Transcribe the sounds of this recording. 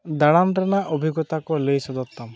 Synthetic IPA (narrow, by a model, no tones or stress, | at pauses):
d̪aɽandɾenaʔobʱiɡɔt̪akɔlejsɔd̪ɔt̪ːam